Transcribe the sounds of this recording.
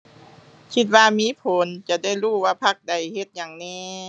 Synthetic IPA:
kʰi˧˥t̪̚waː˧miː˧˥˨pʰo˨˦nt͡ɕa˧˩da˥˩jɾuː˧˥˩waː˧˩pʰa˧˥˩k̚da˨˩jhe˧˦t̪̚ɲaː˨˩ŋnɛː˧˨

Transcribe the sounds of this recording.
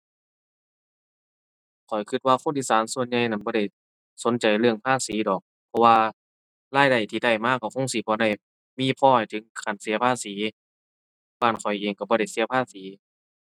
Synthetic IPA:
kʰɔ˨˩jkʰɯ˧t̪̚waː˧kʰoː˧˥˨nʔiː˧˨saː˨˦nsu˧ə˨nɲa˧jna˧˩nbɔː˧ɾa˧˩j | so˨˦nt͡ɕa˨˩jlɯ˧əŋpʰaː˧˨siː˨˦dɔː˨˩k̚ | pʰɔ˧waː˧ | laː˧˥˩jda˧˩jt̪ʰiː˧˩da˧˩jmaː˧˥˨kːa˧˩wkʰo˧˥˨ŋsiː˨˦pʰɔː˧˦da˧˩j | miː˧˥˨pʰɔː˧˩ha˨˩jt̪ʰɯ˨˦ŋkʰa˨˩˨nsi˨˦ɐpʰaː˧˥˨siː˨˦ | baː˧˩nkʰɔ˨˩jʔeː˨˩ŋka˧˩bɔː˧˦ɾa˧˩jsi˨˦pʰaː˧˥˨siː˨˦

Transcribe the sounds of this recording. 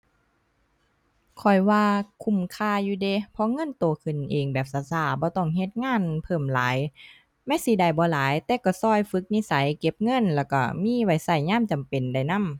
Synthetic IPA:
kʰɔ˨˩jwaː˧kʰu˧˩mkʰaː˧˨juː˧de˧˨pʰɔ˧˦ŋɤ˧˥˨nt̪oː˨˩kʰɯ˨˩˨nʔeː˨ŋbɛː˨˩p̚saː˨˧˦saː˧˩bɔː˧˦t̪ɔ˧˩ŋɦe˧˦t̪̚ŋaː˧˥˨npʰɤː˧˩mlaː˨˦j | ma˧˥˨si˧˦da˧˩jbɔː˧˦laː˨˦jt̪ɛː˧kɔ˧˩sɔː˧˩˨jfɯ˧˦k̚ni˧˥˨sa˨˦jke˧p̚ŋɤ˧˥˨nlɛː˧˩wka˧˩miː˧˥˨wa˧˦jsa˧˩jɲaː˧˥˨mt͡ɕa˨mpe˨nda˧˩jna˧˥˨m

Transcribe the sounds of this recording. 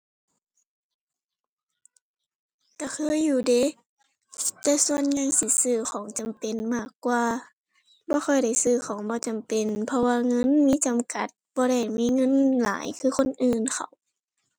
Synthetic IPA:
kaː˧˩kʰɤː˧˥˨jːuː˧˩deː˧˨ | t̪ɛː˧su˧ənɲa˧˨ŋsi˧˦sɯː˧˩xʰɔː˨˦ŋt͡ɕa˨mpe˨nmaː˧˩kːwaː˧ | bɔː˧˦xʰɔ˧˩jda˧˩jsɯː˧˩xʰɔː˨˦ŋbɔː˧˦t͡ɕa˨mpe˨npʰɔ˧waː˧ŋɤ˧˥˨nmiː˧˥˨t͡ɕa˨mka˧˦t̪̚bɔː˧˦ɾa˧˩jmiː˧˥˨ŋɤ˧˥˨nla̰ː˨˦jkʰɯː˧˨xʰo˧˥˨nʔɯː˨nkʰa˧˩w

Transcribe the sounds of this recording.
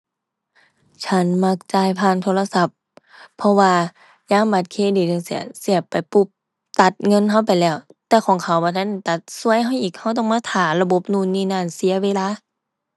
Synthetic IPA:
t͡ɕʰa˧˥˨nma˧˥k̚t͡ɕaː˧˩jpʰaː˧˩˨nt̪ʰoː˧la˧sa˧˦pʰː | ɔ˧waː˧ | jaː˧˥˨mba˧t̪̚kʰeː˧˨diː˨˩nɯ˧˨ŋsi˧˩ɐ˩si˧˩əpa˨jpu˧˩p̚ | t̪a˧˦t̪̚ŋɤ˧˥˨nɦa˧˥˨wpa˨jlɛː˧˩wt̪ɛː˧˩kʰɔː˨˦ŋkʰa˨˩wbɔː˧˩t̪ʰa˧˥˨n˧˨˩t̪a˧˦t̪̚su˧˥əjɦa˧˥˩wʔiː˨˩k̚ha˧˩wt̪̬ɔː˧˩ŋmaː˧˥t̪ʰaː˨˦la˧bo˧˦p̚nuː˧˨nːiː˧˩naː˧˩˨nsi˧˦ɐweː˧˨laː˧˨

